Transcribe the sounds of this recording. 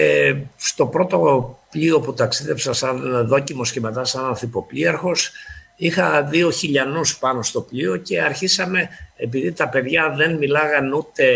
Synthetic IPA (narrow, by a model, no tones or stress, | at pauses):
est̪o̞pɾo̞t̪o̞pʎio̞put̪ɐksiðe̞psɐsɐnðo̞cimo̞sceme̞t̪ɐsɐnɐnθipo̞pliɐɾxo̞s | ixɐðio̞çiʎɐnuspɐno̞st̪o̞pʎioce̞ɐɾçisɐme̞ːp̬iðit̪ɐpe̞ðʝɐðe̞nmilɐɣɐnut̪e̞